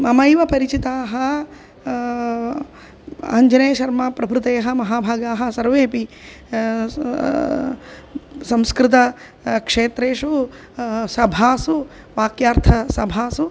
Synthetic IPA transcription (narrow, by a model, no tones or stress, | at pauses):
mɐmɐjʋɐpɐɾit͡ʃit̪aːɦɐ̆ | ɐ̰ɐɲd͡ʒɐneːʃɐɾmaːpɾɐbʱɾut̪ɐjɐɦɐ̆mɐɦaːbʱaːɡaːɦɐ̆sɐɾʋeːpi | sɐ̃mskɾɪt̪ɐ | kʂeːt̪ɾeːʂu | sɐbʱaːsu | ʋaːkjaːɾt̪ʰɐsɐbʱaːsu